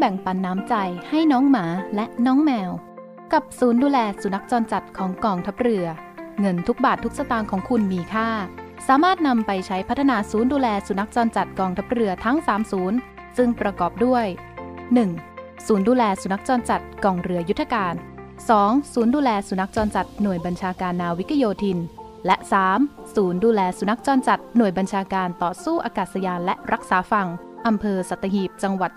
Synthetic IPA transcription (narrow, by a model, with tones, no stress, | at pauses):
bɛ˨˩ŋpa˧nːaː˦˥mt͡ɕa˧jha˥˩jnɔː˦˥ŋmaː˩˦lɛ˦˥ʔnɔː˦˥ŋmɛː˧w | ka˨˩p̚suː˩˦nduː˧lɛː˧su˨˩˦na˦˥k̚t͡ɕɔː˧nt͡ɕa˨˩t̪̚kʰɔː˩˦ŋkɔː˧ŋt̪ʰa˦˥p̚ɾɯ˧ɐŋɤ˧nt̪ʰu˦˥k̚baː˨˩t̪ʰːu˦˥k̚sa˧t̪aː˧nkʰɔː˩˦ŋkʰu˧nmiː˧kʰaː˥˩ | saː˩˦maː˥˩t̪̚na˧mpa˧jt͡ɕʰa˦˥jpʰa˦˥t̪ʰːa˧naː˧suː˩˦nduː˧lɛː˧su˩˦na˦˥k̚t͡ɕɔː˧nt͡ɕa˨˩t̪̚kɔː˧ŋt̪ʰa˦˥p̚ɾɯ˧ɐt̪ʰa˦˥ŋsaː˨˩˦msuː˩˦n | sɯ˥˩ŋpɾa˧kɔː˨˩p̚du˥˩əj | nɯ˨˩ŋ | suː˩˦nduː˧lɛː˧su˨˩˦na˦˥k̚t͡ɕɔː˧nt͡ɕa˨˩t̪̚kɔː˧˩ŋɾɯ˧ɐju˦˥t̪ʰːa˧kaː˧n | sɔː˩˦ŋsuː˩˦nduː˧lɛː˧su˩˦na˦˥k̚t͡ɕɔː˧nt͡ɕa˨˩t̪̚nu˨˩əjba˧nt͡ɕʰaː˧kaː˧nːaː˧wi˦˥kʰːa˧joː˧t̪ʰi˧n | lɛ˦˥ʔsaː˩˦m | suː˩˦nduː˧lɛː˧su˨˩˦na˦˥k̚t͡ɕɔː˧nt͡ɕa˨˩t̪̚nu˨˩əjba˧nt͡ɕʰaː˧kaː˧nt̪ɔː˨˩suː˥˩ʔaː˧kaː˨˩t̪̚sa˧jaː˧nlɛ˦˥ʔɾa˦˥k̚saː˩˦fa˧˩ŋ | ʔa˧mpʰɤː˧sa˨˩t̪ʰːa˧ɦiː˨˩p̚t͡ɕa˧ŋwa˨˩t̪̚